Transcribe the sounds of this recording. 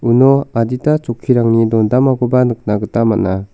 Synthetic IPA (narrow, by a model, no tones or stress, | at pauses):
unɔaditat͡ʃɔkʰːiɾaŋnidɔndamaɡɔbanɯk̚naɡɯtamana